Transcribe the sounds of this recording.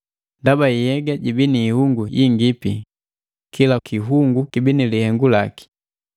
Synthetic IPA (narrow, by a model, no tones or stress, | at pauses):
ndabaijɛɡaɟibiniːhuŋɡujʔiŋɡipi | kʰilakiɦuŋɡukibinilihɛŋɡulaki̥